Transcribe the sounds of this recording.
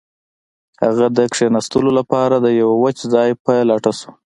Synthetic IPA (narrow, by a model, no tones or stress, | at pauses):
haɣad̪əkʂenast̪əlolapɑɾad̪əjawawət͡ʃzɑjpəlɑʈasu̥